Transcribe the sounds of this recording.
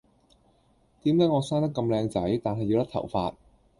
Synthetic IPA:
t̪iː˨˥mt̪ɐ˨˥ŋɔː˨˧saː˥nt̪ɐ˥kːɐ˧mlɛː˧ŋt͡sɐ˨˥jt̪aː˨nɦɐ˨jːi˧wt̪ɐ˥k̚t̪ʰɐ̰˨˩wfaː˧t̚

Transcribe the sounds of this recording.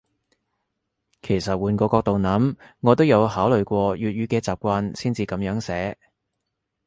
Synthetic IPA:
kʰe˨˩jsɐ˨t̚wuː˨˧nkʷɔː˧kɔː˧k̚t̪o˨wnɐ˨˥mŋɔː˨˧t̪o˥wjɐ˨˧whaː˨˥wlɵ˨ɥkʷɔː˧jyː˨t̚ɥyː˨˧kɛː˧t͡saː˨p̚kʷaː˧nsiː˥nt͡siː˧kɐ˨˧mjœː˨˥ŋsɛː˨˥

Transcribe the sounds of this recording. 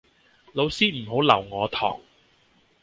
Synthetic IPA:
lo˨˧wsiː˥m̩˨˩ɦo˨˥wlɐ˨˩wŋɔː˨˧t̪ʰɔ̰ː˨˩ŋ

